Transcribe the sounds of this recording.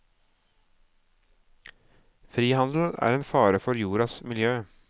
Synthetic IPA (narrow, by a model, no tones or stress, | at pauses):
fɾiːhɑnd̪l̩æ̰ːɾeːnfɑːɾəfɔɾjuːɾɑsmɪljøː